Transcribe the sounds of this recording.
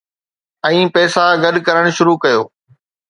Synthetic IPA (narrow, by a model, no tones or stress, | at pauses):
ɛ̃ːpɛːsaɡɐɗkɐɾəɽ̃ʃʊɾuːkɐjoː